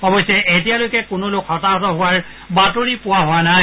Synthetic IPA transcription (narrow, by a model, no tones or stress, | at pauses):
ɔbɔjsɛʔetijalojkɛkʊnolokhɔtaɦɔtɔɦʊwaɹ | batoɹipʊwaɦʊanaj